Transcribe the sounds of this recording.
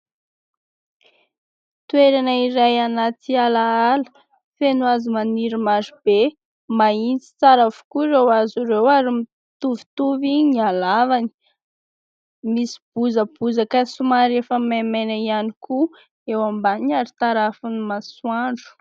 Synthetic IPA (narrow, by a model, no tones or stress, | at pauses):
t̪weɾanəiɾajanat̪ialaalə̥ | fenuazimaniɾimaɾib̥e | maint͡si̥t͡saɾavu̥kuɾewaziɾewaɾimi | t̪uvit̪uviɲialavani̥ | misi̥b̥uzəb̥uzakəsumaɾefəmamenəianiku | ewambaɲaɾit̪aɾafunimaswaɳɖ͡ʐu̥